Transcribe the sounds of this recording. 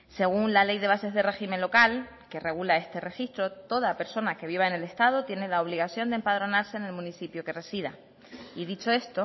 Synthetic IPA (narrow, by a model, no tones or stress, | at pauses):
se̞ɣ̞unlale̞jðe̞β̞ase̞zðe̞re̞ximenlo̞kal | ke̞re̞ɣ̞ulae̞st̪e̞re̞xist̪ɾo̞t̪o̞ðape̞ɾso̞nake̞βiβaene̞le̞st̪að̞ot̪je̞ne̞laoβ̞liɣ̞aθjo̞nd̪e̞mpaðɾo̞naɾseːne̞lmũniθipjoke̞re̞siða | iðit͡ʃo̞e̞st̪o